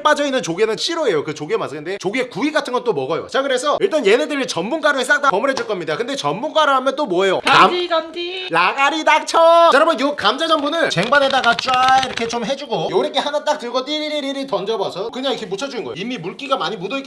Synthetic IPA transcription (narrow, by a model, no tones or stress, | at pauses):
p͈ad͡ʑʌinːɯnt͡ɕoɡenɯnɕʰiɾoe̞jokɯt͡ɕoɡiemas͈ʰɯnd̪e̞t͡ɕoɡiekuiɡatʰɯnɡʌt͈omʌɡʌjo̰t͡ɕaɡɯɾe̞sʰʌiɭt͈anjenedɯɾit͡ɕʌnmunk͈aɾohes͈ʰaŋt͈apʌmɯɾɦed͡ʑuɭk͈ʌmɲidakɯnde̞t͡ɕʌnmunk͈aɾoɦamjʌnt͈omwʌejo | laɡaɾidak̚t͡ɕʰʌsʰaɾamɯnjokamd͡ʑad͡ʑʌmbunɯnt͡ɕe̞ŋbanedaɡat͡ɕ͈waiɾʌkʰe̞t͡ɕ͈omɦe̞d͡ʑuɡojʌɾekʰehanat͈ak̚tɯɭɡot͈iɾiɾiɾiɾitʌnd͡ʑʌbʌsʰʌkɯɲaŋikʰemut͡ɕʰʌd͡ʑuinɡʌ̰j̰imimuɭk͈iɡamaɲimudʌik